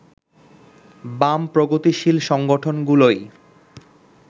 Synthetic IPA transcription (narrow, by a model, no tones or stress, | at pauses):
bampɾoɡot̪iʃilʃɔŋɡoʈʰonɡuloj